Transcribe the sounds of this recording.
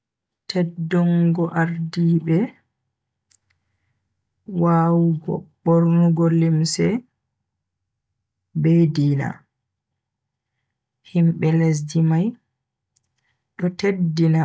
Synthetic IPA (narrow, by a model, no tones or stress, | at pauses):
tʰɛdːɔŋɡɔʔaɾdiːbɛ | waːwuɡɔ̰ɓboɾnuɡɔlimsɛ | bediːna̰ | himɓɛles̬dimaj | ɗɔtedːina